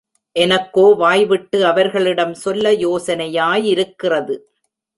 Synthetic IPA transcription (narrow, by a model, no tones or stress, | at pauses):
ʔɛnɐkːoːʋaːjʋɪʈːɯɐʋɐɾɣɐɭɪɽɐmsɔlːɐjoːsɐnɐjaːjɪɾɯkːɪrɐðɯ